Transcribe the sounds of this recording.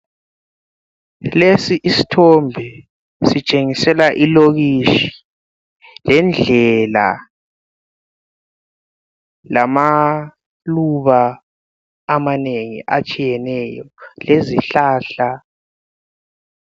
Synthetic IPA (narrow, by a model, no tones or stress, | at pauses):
lesiʔisi̥tʰɔmbʱɛ | sit͡ʃʼeŋisɛlaʔiloɣiʃi̥ | lɛnd͡ɮʱɛla̰ | lama | luβaː | maneŋḭʔat͡ʃʼijɛnɛːjɔleziɬaːɬa